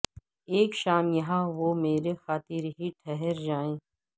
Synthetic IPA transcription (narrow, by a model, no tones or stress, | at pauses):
eːkʃaːmjɐɦãʋomeːɾexaːt̪iɾɦiʈʰɛɦɛɾd͡ʒaːẽː